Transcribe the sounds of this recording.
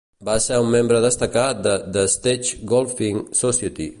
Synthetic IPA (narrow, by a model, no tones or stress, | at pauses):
basɛumːembɾəðəst̪əkat̪̚d̪əd̪əst̪et͡ʃɡolˠfiŋsɔsiət̪ḭ